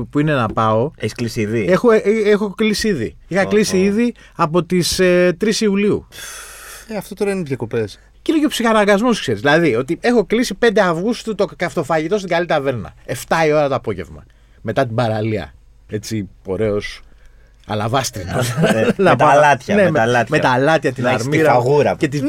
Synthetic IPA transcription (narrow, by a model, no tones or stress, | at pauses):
puine̞nɐpɐo̞eçisklisiiðiexoexo̞klisiiðḭixɐklisiiði | ɐpo̞t̪iset̪ɾisiuliṵ | eɐft̪ot̪oɾɐiniðʝɐkopes | cineceopsixɐnɐɡɐzmoskseɾizðilɐðio̞t̪ie̞xo̞klisipe̞nd̪eɐvɣust̪ut̪okɐft̪o̞fɐʝit̪o̞st̪iɡalit̪ɐve̞ɾnɐ̰e̞ft̪ɐio̞ɾɐt̪oːpo̞ʝe̞̰vmɐ̰ | me̞t̪ɐt̪ibɐɾɐliɐ̰ | e̞t͡sipo̞̰ɾe̞o̞s | ɐ̰lɐvɐst̪ɾinɐnɐp̪ɐlɐt̪çɐnemelɐt̪met̪ɐlɐt̪çɐt̪inɐɾmiɾɐaɣuɾɐce̞t̪i